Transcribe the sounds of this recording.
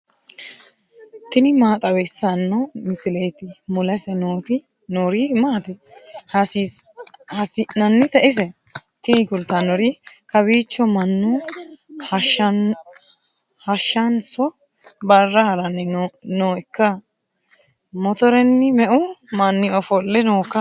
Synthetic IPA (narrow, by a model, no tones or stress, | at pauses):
t̪ɪnɪmaːt̪ʼɐwɛsɐnːɔmɪsɪlɛjt̪ɪmʊlɐsɛnoːt̪ɪ | noːɾimaːt̪ɛhɐs | hɐsɪɐnːɪt̪ɛʔɪs̬ɛ | t̪ɪnɪkʊlt̪ɐnɔɾɪkɐbiːt͡ʃːɔmɐnːu | hɐʃɐn | hɐʃːɐnsɔ | bɐrːɐhɐɾɐnːɪnoːɪkːɐ | mɔt̪ɔɾɛnːɪmɛʔʊmɐnːɪɔfɔlːɛnoːkːɐ